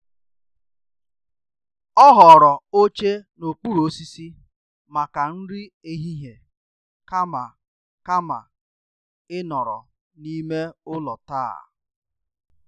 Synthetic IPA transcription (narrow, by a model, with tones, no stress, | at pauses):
ɔ˦ɦɔ˨ɾɔ˨o˦t͡ʃe˦no˨k͡pu˦ɾo˨˦si˦si˦ | ma˨ka˨n̩˦ɾi˦e˦ɦi˦ɦe˨ | ka˦ma˨ | ka˦ma̰˨ | ɪ˦nɔ˨ɾɔ̰˨ | ni˦me˦ʊ˦lɔ˨ta̰ː˦˨